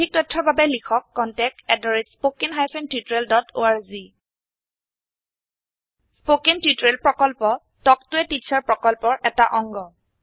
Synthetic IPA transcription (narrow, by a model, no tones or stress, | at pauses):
ik̚tɔjtʰːɔbʱabɛlikʰɔkːɔntɛk̚ɛdɔɹetspokenɦajpʰentjutɹeldɔto̰aɹzi | spokentjutɹelpɹɔkɔlpɔ | tɔktʊɛtitsaɹpɹɔkɔlpɔɹʔɛtaʔɔŋɡɔ